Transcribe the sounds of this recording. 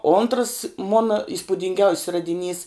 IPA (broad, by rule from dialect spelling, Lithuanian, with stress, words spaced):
oːntrs ˈmoːnɐ ɪspʊdʲɪŋʲˈɡʲɛʊsʲs rɐdʲɪˈnʲiːs